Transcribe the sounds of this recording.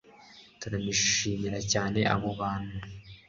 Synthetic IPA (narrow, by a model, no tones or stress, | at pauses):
tuɾamiʃiːmiɾacaːne̞ʔa̰βoβaːnu